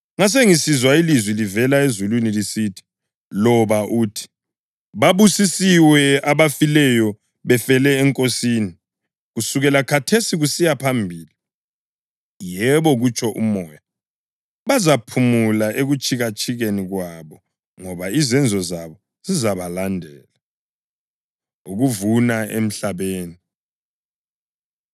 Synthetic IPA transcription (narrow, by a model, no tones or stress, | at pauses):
ŋas̬eŋisizwailizwilivɛlaezulwinilisitʰi̥ | lɔβaʔuːtʰi̥ | βaβusisiwɛaβafilɛjɔ | βɛfɛlɛːŋkʼosiːni | ɣusuɣɛlakʰatʰesiɣusijapʰambʱiːli | jɛβɔɣut͡ʃʰʼɔʔṵmɔːja | βazapʰumulaʔeɣut͡ʃʰʼiɣat͡ʃʼʰiɣeniɣwaβɔ | ŋɔβaizɛnd͡zʱɔzaβɔ | zizaβalandʱɛːla | uɣuvunaḛm̩ɬaβeːni